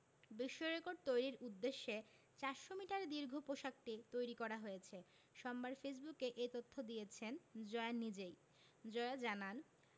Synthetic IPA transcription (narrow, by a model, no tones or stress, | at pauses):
biʃːoɾekoɾɖ̚t̪ojɾiɾud̪ːeʃːe | t͡ɕaɾʃomiʈaɾd̪iɾɡʱopoʃak̚ʈit̪ojɾikɔɾaɦojet͡ɕʰe | ʃɔmbaɾfes̬bukːeʔejt̪ot̪ʰːod̪ijet͡ɕʰend͡ʑɔeanːid͡ʑej | d͡ʑɔed͡ʑanan